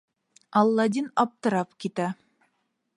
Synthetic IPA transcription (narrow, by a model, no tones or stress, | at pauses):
ɑlˠːɑd̪ʲinɑp̚t̪ɤ̆ɾɑp̚kit̪æ